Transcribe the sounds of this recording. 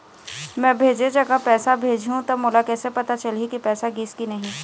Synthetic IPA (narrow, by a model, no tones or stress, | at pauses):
mɛ̃ːbʱeːd͡ʒed͡ʒɐɡapɛːsabʱeːd͡ʒʱɦũt̪omoːlakɛːsepɐt̪at͡ʃɐlikipɛːsaɡiːskinɐɦĩ